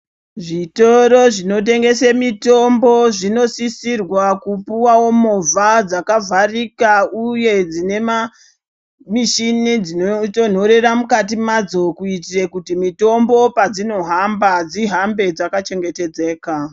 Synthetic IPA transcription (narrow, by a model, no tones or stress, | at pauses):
ʐito̞ɾo̞ʐino̞t̬e̞ŋɡe̞semito̞mboʐino̞sisirwakupuwawo̞mo̞vad͡zakavʱarikauje̞d͡zine̞ma | miʃinid͡zinoton̤o̞ɾe̞ramukat̬imad͡zo̞kuitire̞kutimito̞mbo̞pad͡zino̞ɦambad͡ziɦambe̞d͡zakat͡ʃe̞ŋɡe̞te̞d͡ze̞ːka